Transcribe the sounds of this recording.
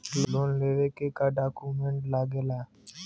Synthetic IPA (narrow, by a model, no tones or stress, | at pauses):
lloːnleːʋeːkekaːɖaːkuːmẽɳʈlaːɡeːlaː